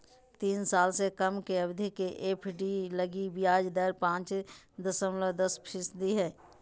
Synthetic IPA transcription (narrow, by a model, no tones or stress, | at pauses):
t̪iːnsaːlsekəmkeɐbd̪ʱikeʔeːpʰɖiləɡibɪjaːd͡ʒd̪əɾpãːt͡ʃ | d̪əsəmləd̪əspʰɪsd̪iɦɛː